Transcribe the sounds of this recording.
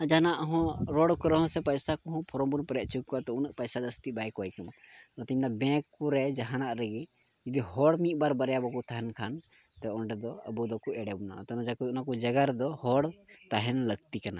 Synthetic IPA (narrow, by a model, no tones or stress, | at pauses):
d͡ʒanaʔɦɔ̃ɾɔɽkɔɾəɦɔ̃sɛpəjsakuɦɔ̃pʰɔɾɔmbunpəɾɛʔ̪̚ˀt͡ʃʰukːat̪ɛunəʔpəjsad̪əst̪ibajkɔjkəmaɔt̪iɲnabɛ̃kːuɾɛd͡ʒaɦanaʔɾəɡi | d͡ʒid̪ihɔɽmiʔ̪̚baɾbəɾjabɔkut̪ʰaɦɛnkʰan | t̪ɛɔɳɖɛd̪ɔə̰bud̪ɔkuɛɽɛbuna̰ʔt̪ɔnɔd͡ʒakuunakud͡ʒəɡaɾɛd̪ɔhɔɽt̪aɦɛnləɡt̪ikana̰